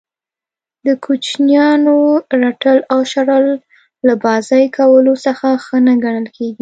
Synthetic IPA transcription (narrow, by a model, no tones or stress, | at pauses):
d̪əkʰut͡ʃnjɑnoɾaʈəlawʃaɾəlː | abɑzɑjkʰawəlosəxaxənaɡaɳ̃əlkʰeɡi